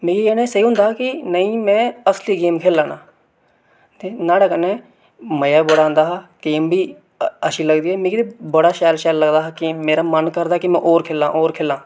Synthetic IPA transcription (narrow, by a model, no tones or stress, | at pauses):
mẽːkieːnẽsəɦiɦʊ̃nd̪aːkinəĩmɛ̃ːəsliɡeːmkʰeːlːãːnaː | t̪enaːɽeːkənẽ | məjaːbəɽãːnd̪aːɦakeːmbʱiː | əʃiləɡd̪iːɦɛːmẽːkid̪ebəɽaːʃɛːlʃɛːlləɡd̪aːɦakiːmeːɾamənkəɾd̪aːkimɛ̃ʔoːɾkʰeːlãːʔoːɾkʰeːlãː